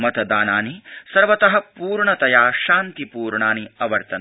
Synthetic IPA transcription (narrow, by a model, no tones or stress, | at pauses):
mɐt̪ɐd̪aːnaːnisɐɾʋɐt̪ɐɦɐpuːɾɳɐt̪ɐjaːʃaːnt̪ipuːɾɳaːniɐʋɐɾt̪ɐn